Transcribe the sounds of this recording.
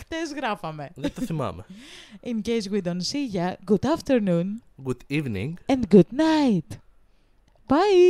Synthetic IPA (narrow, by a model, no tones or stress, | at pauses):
kt̪ezɣɾɐfɐmeðet̪ɐθimɐ̰meĩnɡejd͡ʒwiðonsiʝɐɡud̪ɐft̪eɾnũnɡud̪ivnḭ̃ŋɡɛ̃nd̪ɡud̪najt̪ | b̥aj